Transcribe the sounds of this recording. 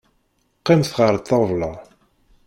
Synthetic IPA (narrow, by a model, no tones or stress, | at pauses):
qːɪmθʁəɾˤt̪ˤːɑvlɑ